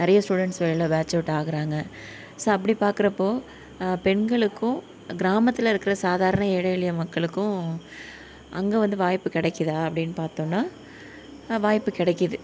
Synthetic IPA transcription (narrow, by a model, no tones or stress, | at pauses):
nɐɾɐjɐsʈuːɽɛɳʈsʋɐɭlɐbaːt͡ʃːɐʋʈːaːɣɪɾaːŋɡɐ | soːɐpːɐɽipaːɾkɪɾɐpːoː | pɛɳɡɐɭɯkːʊ̃ | ɡɪɾaːmɐt̪ːɪlɐɪɾɯkːɪɾɐsaːðaːɾɐnɐeɛːɽɐɪɭɪjɐmɐkːɐɭɯkːʊ̃ | ʔɐŋɡeːʋɐnd̪ɯʋaːjpːɯkɪɽɛkːɐðaːɐpːɐɽɪnːɯpaːɾt̪õːnːaː | ʋaːjpːɯkɪɽɛkːɐðɯ